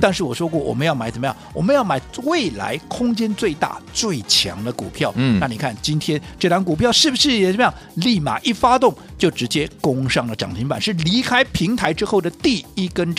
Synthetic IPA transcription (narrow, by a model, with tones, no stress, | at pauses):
t̪a˥˧nʂɻ̩˥˩wɔ˨˩ʂwɔ˥kwɔ˥˩wɔ̰˨˩mə˦njɑ˥˩ma˨˥t͡sə˨˩m˦jɑ̰˥˩˨wɔ˨˩mə˦njɑ˥˩ʊma˨˩˥ɪwe˥˩ɪla̰˧˥ɪkʰʊ˥ŋt͡ɕjɛ˥nt͡swe˥˧ɪt̪a̰˥˩t͡swe˥˩ɪt͡ɕʰjɑ̰˧˥ŋd̪ə˧kṵ˨˩pʰjɑ˥˩ʊna˥˩ni˨˩kʰa˥˩nt͡ɕi˥nt̪ʰjɛ˥nʈ͡ʂɤ˥˩t̪ɑ˧˥ŋku˨˩pʰjɑ˥˧ʊʂɻ̩˥˩bu˩ʂɻ̩˥˩jɛ˨˩ʈ͡ʂə˨˩mə˦jɑ˥˧ŋli˥˩ma̰˨˩ʔi˥˩fa˥t̪ʊ˥˩ŋ | t͡ɕjo˥˩ʊʈ͡ʂɻ̩˧˥t͡ɕjɛ˥kʊ˥ŋʂɑ˥˩ŋlə˩ʈ͡ʂɑ̰˨˩ŋt̪ʰi˧˥ŋpa̰˨˦nʂɻ̩˥˩li˧˥kʰa˥ɪpʰi˧˥ŋt̪ʰa˧˥ɪʈ͡ʂɻ̩˥xo˥˩ʊd̪ə˩t̪i˥˩i˥kə˥n